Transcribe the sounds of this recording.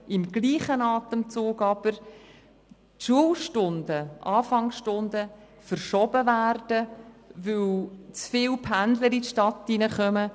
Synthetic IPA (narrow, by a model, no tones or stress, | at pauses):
ɪmɡliːχənɑːt̪əmt͡suːɡɑb̥əɾ | tʃuəlʃtʊndəʔɑːfɑŋsʃtʊndə | fəɾʃɔbəvæːrd̥əvɵlt͡sfɪːlpʰændləɾitʃtɑtːinəχœmə